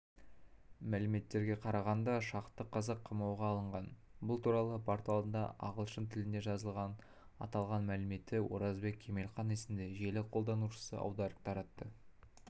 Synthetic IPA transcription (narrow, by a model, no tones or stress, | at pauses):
mælɪme̞t̪ːe̞ɾɡʲe̞qʰɑɾɑʁɑnd̪ɑʃɑqt̪ːəqʰːɑzɑqʰːəmɑwʁɑːlˠəɴʁɑnbʊlˠt̪uɾɑlˠəbʰɑɾt̪ɑlˠd̪ənd̪ɑ̰ʔɑ̰ʁəlˠʃənt̪ʰɪlɪnd̪e̞ʒɑzəlˠʁɑn | ɑ̰t̪ɑlˠʁɑnmælɪme̞t̪ːɪwo̞̰ɾɑzbe̞k̚ʲʰːe̞me̞lχɑnesɪnd̪e̞ʒe̞lɪqʰo̞lˠd̪ɑnuʃə̥sə̰ʔɑ̰wd̪ɑɾəq̚t̪ʰɑɾɑt̪ːə